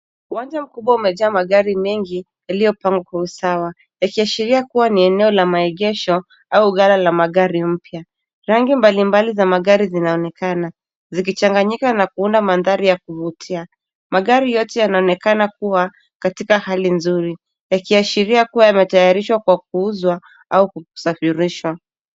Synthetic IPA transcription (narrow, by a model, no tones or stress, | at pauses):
uwand͡ʒam̩kuɓwaumɛʄaːmaɠaɾimɛŋɡi | jaliɔpaŋɡwakwausawa | jakiaʃiɾiakuwaniɛnɛɔlamaɛɠɛʃɔ | auɣalalamaɠaɾim̩pja | ɾaŋɡimbalimbalizamaɠaɾizinaɔnɛkana | zik̬it͡ʃaŋɡaɲikanakuundamanðaɾijakuvutʰia | maɠaɾijɔtɛjanaɔnɛkanakuwa | katikahalinzuɾi | jakiaʃiɾiakuwajamɛtajaɾiʃwakwak̚uuzwa | auku̥safiɾiʃwa